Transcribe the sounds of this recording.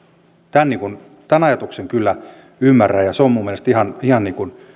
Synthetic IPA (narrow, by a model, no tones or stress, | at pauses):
t̪ænniŋkun | t̪ænɑjɑt̪ukseŋkylːæ | ymːærːæjɑseommumːielest̪ihɑnihɑnniːkun